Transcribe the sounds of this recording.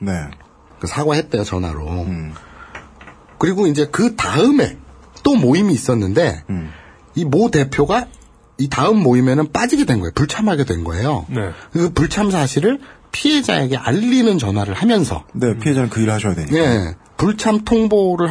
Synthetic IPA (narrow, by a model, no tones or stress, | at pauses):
ne̞ | kɯsʰaɡwaɦet̚t͈ejot͡ɕʌnwa̰ɾo̰ | kɯɾiɡoind͡ʑe̞kɯtaɯme̞̰ | t͈omoimiːs͈ʌnːɯnde̞ | imote̞pʰjoɡa | itaɯmːoime̞nɯnp͈ad͡ʑiɡe̞dwe̞nŋɡʌejopuɭt͡ɕʰamɦaɡe̞dwe̞nɡʌe̞̰jo̰ɯkɯpuɭt͡ɕʰamsʰaɕʰiɾɯɭ | pʰie̞d͡ʑa̰e̞ɡe̞ʔa̰ʎːinɯnt͡ɕʌnɦwaɾɯɭhamjʌnsʰʌ̰ne̞ppʰiɦe̞d͡ʑanɯnkɯiɾɯɭhaɕʰʌjadwḛɲie̞ | puɭt͡ɕʰamtʰoŋboɾɯɭ